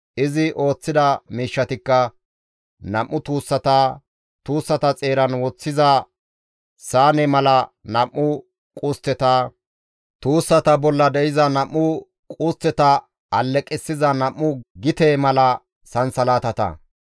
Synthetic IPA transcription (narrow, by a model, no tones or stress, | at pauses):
ʔɪzɪʔo̞ːt͡sːɪd̪ɐmiːʃːɐt̪ɪkːɐ | nɐʔːʊt̪uːsːɐt̪a | t̪uːsːɐt̪ɐt͡sʼe̞ːɾɐnwɔt͡sːɪzɐ | saːnɛmɐlɐnɐmːʊ | kʼʊst̪ːɛt̪aː | t̪uːsːɐt̪ɐbɔlːɐd̪ɛɪzɐnɐmːʊ | kʼʊst̪ːɛt̪ɐ | ɐlːɛkʼːɛsːɪzɐnɐmːʊɡɪt̪eːmɐlɐ | sɐnsɐlaːt̪ɐt̪ɐ̰